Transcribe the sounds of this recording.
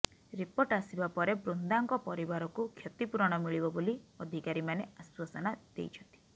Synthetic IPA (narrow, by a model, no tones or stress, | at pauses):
ɾipɔʈasibapɔɾebɾund̪aŋkɔpɔɾibaɾɔkukʰjɔt̪ipuɾɔɽ̃ɔmiɭibɔboliɔd̪ʱikaɾimaneaswasɔnad̪̥ḛjt͡ʃʰɔnt̪i̥